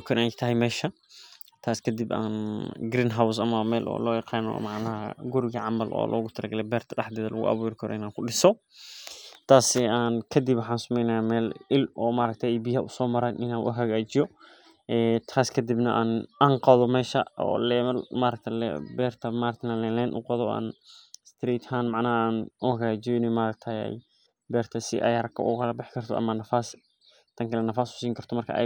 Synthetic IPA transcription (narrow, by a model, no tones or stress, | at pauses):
kʰɐʔɪnat̪ʰɐɦɛjmɛːʃɐ | t̪ʰaːskʰɐd̪ɪba̰ːnɡɾiːnɦaws̬ɐmɐmɛːlʔɔ̰ːlɔːjɑqɑːnɔ̰mɑʕnɐɦɐ̰ɡʊɾɪɣɐʕamɐlʔɔ̰ːlʔɔ̰ːɣʊt̪ʰɐlɐɡɐlɛbɛːrt̪ʰɐɗɐħd̪ɛːðɐlɐ̰ɣʊ̰ʔɐ̰βuːɾkʰɔɾ̰ɪnaːŋkʰʊɗɪsɔ | t̪ʰaːsɪaːnkʰɐd̪ibwħaːnsʊmɛjnɐjaːmɛːlɪlʔɔːmaːɾɐk̚t̪ʰɐɛbihɐʔʊsɔːmɐɾɐnʔɪnaːnʔʊ̰ɦɐɣaːd͡ʒɪjɔ | ʔɛːt̪ʰaːskʰɐd̪ibnɐʔaːnaːŋqɐðɔmɛːʃɐɔ̰ːlɛmɐlmaːɾɐk̚t̪ʰɐlɛ̰bɛːrt̪ʰɐmaːɾɐkt̪ʰnɐlɛlɛːnʔʊ̰qɐðɔa̰ːnst̪ʰɾiːt̪hanmaʕnɐɦaaːnʊhɐɣaːt͡ʃɪjɔɪnɛmaːɾɐk̚t̪ʰɐjɛ̰j | bɛːrt̪ʰɐsɪ̰ʔɛ̰jɐɾɐkʰɐ̰ʔʊ̰kʰɐlɐbɪħɪkʰɐrt̪ʰɔʔɐ̰maːnɐfaːs | t̪ʰɐŋkʰɐlɛnɐfaːsʊ̥siːŋkʰɐrt̪ʰɔmɐrkʰɐ̰ʔɛ̰